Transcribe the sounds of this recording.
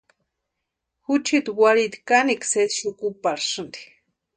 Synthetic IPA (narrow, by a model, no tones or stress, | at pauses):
xut͡ʃit̪waɾit̪ikanikset̪ʃukupaɾʂɨnd̪i̥